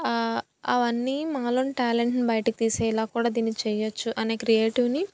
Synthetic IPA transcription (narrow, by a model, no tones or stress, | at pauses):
ɐ̰ʋɐnːimaːloniʈaːleɳʈnibɐjɐʈɐkit̪iːsɛːilaːkuːɽaːd̪iːnːit͡ʃɛːjɐt͡ʃːuʔɐneːkɾijeːʈiʋni